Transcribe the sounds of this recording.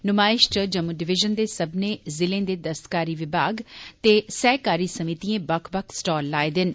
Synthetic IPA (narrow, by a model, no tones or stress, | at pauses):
nʊmaːɪʃʈəd͡ʒɐmuɖɪʋɪʒənd̪esɐbʱnezɪlẽd̪ed̪ɐst̪kaːɾiʋɪbʱaːɡt̪esɛːkaːɾisɐmit̪iẽbɐkʰbəkʰsʈɔːlːaːed̪ɪn